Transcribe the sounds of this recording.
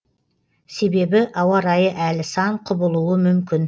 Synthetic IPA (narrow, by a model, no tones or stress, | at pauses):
se̞be̞bɪʔɑwɑɾɑjəʔælɪsɑɴqʰʊbəlˠuwəmʏmkʲɪn